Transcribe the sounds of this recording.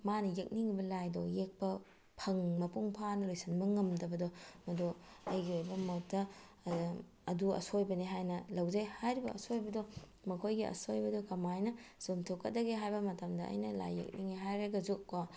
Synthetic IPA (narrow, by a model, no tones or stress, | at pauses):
manɐjɐk̚niŋibɐlajdɔjek̚pɐ | pʰɐŋmɐpuŋpʰanɐlojsɐnbɐŋɐmdɐbɐdɔmɐdoɐjɡiojbɐmot̚dɐ | duɐ̰sojbɐniɦajnɐlɐwd͡ʒɐjhajɾibɐʔɐsojbɐdɔ | mɐkʰojɡiɐ̰sojbɐdɔkɐmajnɐsomtʰowkɐt̚dɐɡeɦajbɐmɐtɐmdɐɐ̰jnɐla̰jːɐ̰k̚niŋiɦajɾɐɡɐzukka